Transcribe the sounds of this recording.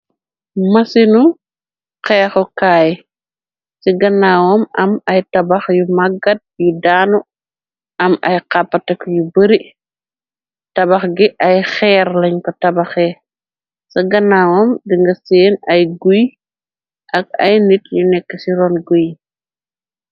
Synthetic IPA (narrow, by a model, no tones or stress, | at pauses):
mɐsinu | qɛːxɔkaːj | siɡɐnːaːwɔmɐmɐjtɐbɐxjumɐɡɐt̚judaːnu | ʔɐmɐ̰jqapːɐtɐkjubəɾi | tɐbɐxɡiʔɐjxɛːɾlɐɲkɔtɐbɐxɛ | sɐɡɐnːaːwɔmdiŋɡɐseːnɐjɡuj | ʔɐɡ̚ɐ̰jnitjunɛkːɐsiɾɔnɡuj